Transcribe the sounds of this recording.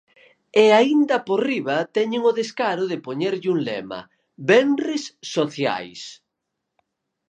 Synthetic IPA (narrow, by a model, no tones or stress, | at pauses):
eaind̪ɐporiβɐt̪ɛɲeŋʊðeskaɾʊðɪpoɲeɾʎuŋlɛ̰mɐ̰ | βɛnrɪsːoθja̰js